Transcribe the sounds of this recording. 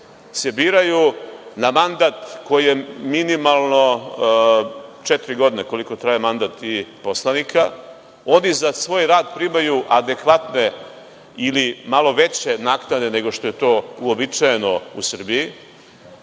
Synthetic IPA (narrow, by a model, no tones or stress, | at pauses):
se̞biːɾajunamand̪at̪ko̞jije̞minimalˠno̞ | t͡ʃet̪iɾiɡo̞d̪ineko̞liko̞t̪ɾaːjemand̪at̪iposlˠanikʰa | o̞nizasʋo̞ːjɾaːd̪̚pɾimajuʔad̪e̞kʋat̪ne̞ | ilimalo̞ʋe̞t͡ɕe̞naːknad̪e̞ne̞ɡo̞ʃt̪oje̞t̪o̞ːuobit͡ʃaje̞no̞usr̩bii